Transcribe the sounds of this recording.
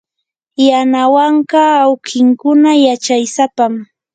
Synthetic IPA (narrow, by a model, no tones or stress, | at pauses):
janawɑɴɢɑːwkɪŋkʊnajat͡ʃajsapam